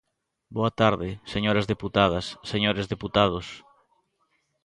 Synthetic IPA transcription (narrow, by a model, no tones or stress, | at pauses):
boɐt̪aɾðɪseɲoɾɐzðeput̪að̞ɐsːeɲoɾezðeput̪að̞os